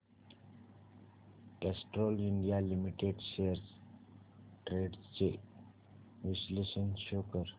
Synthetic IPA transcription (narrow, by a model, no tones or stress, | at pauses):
kɛsʈɾoːlɪɳɖijalimiʈeɖʃeəɾs | ʈɾeːɖt͡ʃe | ʋisleʃənʃoːkəɾ